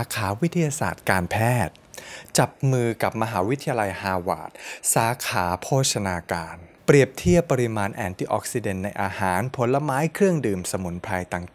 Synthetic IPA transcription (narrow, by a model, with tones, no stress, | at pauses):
saː˦kʰaː˩˦wi˦˥t̪ʰːi˧jaː˧sa̰ː˨˩t̪̚kaː˧npʰɛː˥˩t̪̚t͡ɕa˨˩p̚mɯː˧ka˨˩p̚ma˧ɦaː˩˦wi˦˥t̪ʰːi˧ja˧la˧jhaː˧wa̰ː˨˩t̪̚saː˩˦kʰaː˩˦pʰoː˥˩t̪̚t͡ɕʰa˧naː˧kaː˧npɾi˨˩əp̚t̪ʰi˥˩əpːa˧ɾi˧maː˧nʔɛː˧nt̪i˧˩ʔɔ̰˦˩k̚si˧de˨˩nːa˧jʔaː˧haː˩˦npʰo˨˩˦nla˧maː˦˥jkʰɾɯ˥˩əŋdɯː˨˩msa˧mu˨˩˦npʰɾa˧jt̪a˨˧ŋ